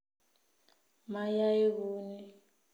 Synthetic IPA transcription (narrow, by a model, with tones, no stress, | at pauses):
ma˦ja˦e˦kuː˦nɛ˦